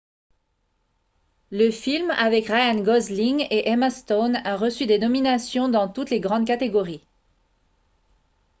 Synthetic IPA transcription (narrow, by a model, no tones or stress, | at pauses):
ləfilmavɛkʁajanɡɔzliŋeʔɛmast̪onaʁəsyd̪enɔminasjɔ̃d̪ɑ̃t̪ut̪leɡʁɑ̃d̪̚kat̪eɡɔʁi